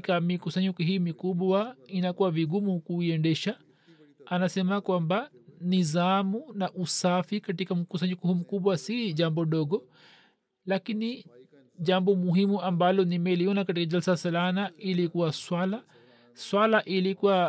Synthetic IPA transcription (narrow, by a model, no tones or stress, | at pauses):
kamikusaɲɔkuɦiːmikuɓwainakuwaviɡumukuiɛndɛʃa | anasɛmakwambanizamunaʔusafikatikam̩kus̬aɲɔkuhum̩kuɓwasiʄambɔɗɔɡɔ | lakini | ʄambɔmuɦimuambalɔnimɛliɔnakat̬ikaʄalsasalanailikuwaswala | swalaʔilikuwa